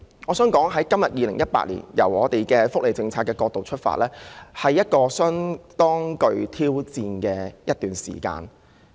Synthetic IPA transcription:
ŋɔː˨˧sœː˨˥ŋkɔː˨˥ŋɦɐ˨˥jkɐ˥mjɐ˨t̚jiː˨˧lɪ˨˩ŋjɐ˥t̚pa̰ː˧t̚lḭ˨˩njɐ̰˨˩wɔ̰ː˨˧t̪e˨jkɛː˧fʊ˥k̚le˨jt͡sɪ˧ŋt͡sʰaː˧t̚kːɛː˧kɔː˧k̚t̪o˨wt͡ʃʰɵ˥t̚fa̰ː˧˨t̚lɛː˥hɐ˨jːɐ˥t̚kɔː˧sœː˥ŋt̪ɔː˥ŋkɵ˧ɥt̪ʰiː˥wt͡siː˧nkɛː˧jɐ˥t̚t̪yː˨nsḭː˨˩ka̰ː˧n

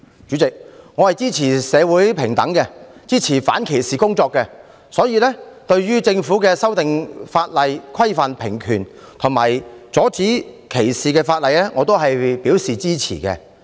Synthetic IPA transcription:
t͡ʃyː˨˥t͡sɪ˨k̚ŋɔː˨˧hɐ˨jt͡siː˥t͡sʰiː˨˩sɛː˨˧wuː˨˥jpʰɪ˨˩ŋt̪ɐ˨˥ŋkɛ˧t͡siː˥t͡sʰiː˨˩fa̰ː˨˥nkʰe˨˩jsiː˨kʊ˥ŋt͡sɔː˧kːɛ˧ | sɔː˨˥jiː˨˧lɛː˥t̪ɵ˧ɥɥyː˥t͡sɪ˧ŋfuː˨˥kɛː˧sɐ˥wt̪ɪ˨ŋfaː˧t̚lɐ˨jkʰɐ˥jfɐ˨npʰɪ˨˩ŋkʰyː˨˩n | t̪ʰʊ˨˩ŋmaː˨˩jt͡sɔː˨˥t͡siː˨˥kʰe˨˩jsiː˨kɛː˧faː˧t̚lɐ˨˧jlɛ˥ŋɔː˨˧t̪̬o˥wɦɐ˨jpiː˨˥wsiː˨t͡siː˥t͡sʰiː˨˩kɛ̰˧

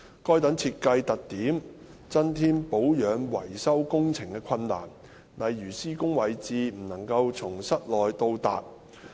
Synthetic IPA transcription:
kɔː˥jt̪ɐ˨˥ŋt͡sʰiː˧t̚kɐ˧jt̪ɐ˨k̚t̪iː˨˥m | t͡sɐ˥nt̪ʰiː˥npo˨˥wjœː˨˥nwɐ˨˩jsɐ˥wkʊ˥ŋt͡sʰɪ˨˩ŋkɛ˧kʰɐ˧nːa̰ː˨˩n | lɐ˨jːyː˨˩siː˥kʊ˥ŋwɐ˨jt͡siː˨˧m̩˨˩nɐ˨˩ŋkɐ˧wt͡sʰʊ˨˩ŋsɐ˥t̚lɔː˨jt̪o˧wt̪a̰ː˨t̚

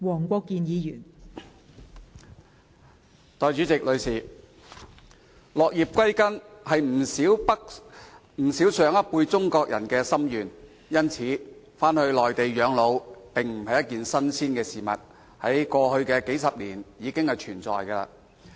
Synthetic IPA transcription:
wɔː˨˩ŋkʷɔː˧kːiː˨˧njiː˨˧jyː˨˩n | t̪ɔː˨jt͡ʃyː˨˥t͡sɪ˨k̚lɵ˨˧ɥsiː˨˩ | lɔː˨k̚jiː˨p̚kʷɐ˥jkɐ˥nhɐ˨jm̩˨˩iː˨˥wpɐ˥k | m̩˨˩si˨˥wsœː˨˧˥ŋɐ˥t̚puː˧jt͡sʊ˥ŋkɔː˧k̚jɐ̰˨˩nkɛː˧sɐ˥mjyː˨˩n | jɐ˥nt͡sʰiː˨˥ | faː˥nhɵ˧ɥlɔː˨jt̪e˨jjœː˨˥ŋlo˨˧wpɪ˨ŋm̩˨˩hɐ˨jɐ˥t̚kiː˨nsɐ˥nsʰiː˥nkɛː˧siː˨mɐ̰˨t̚ | hɐ˨˥jkɔː˧hɵ˧ɥkɛː˧ke˨˥jsɐ˨p̚liː˨˩njiː˨˧kɪ˥ŋhɐ˨jt͡ʃʰyː˨˩nt͡sɔ̰ː˨jkɐ˧la̰˧

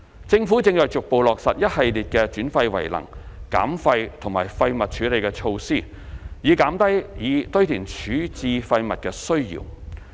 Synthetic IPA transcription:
t͡sɪ˧ŋfu˨˥t͡sɪ˧ŋt͡ʃœː˨kt͡ʃʊ˨k̚po˨wlɔː˨k̚sɐ˨t̚jɐ˥t̚hɐ˨jliː˨t̚kɛː˧t͡ʃyː˨˥nfɐ˧jwɐ̰˨˩jlɐ̰˨˩ŋka̰ː˨˥mfɐ˧jt̪ʰʊ˨˩ŋmaː˨˩jfɐ˧jmɐ˨t̚t͡ʃʰyː˨˥le˨jkɛ˧t͡ʃʰo˧wsiː˥˩ | jiː˨˧kaː˨˥mt̪ɐ˥jjiː˨˧t̪ɵ˥ɥt̪ʰiː˨˩nt͡ʃʰyː˨˥t͡siː˧fɐ˧jmɐ˨t̚kɛː˧sɵ˥ɥjḭː˨˩w

